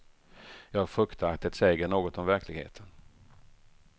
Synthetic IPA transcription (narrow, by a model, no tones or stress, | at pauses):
jɑːɡfɵkt̪ʰəakt̪ət̪seːɡəɳoːɡɔt̪ɔmvæɾklɪɡhḛːt̪ʰən